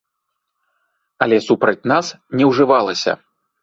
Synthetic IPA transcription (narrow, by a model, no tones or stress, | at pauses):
ɐlʲɛsupɾɐt͡sʲnas | nʲɛwʐɨvalˠɐsʲɐ̰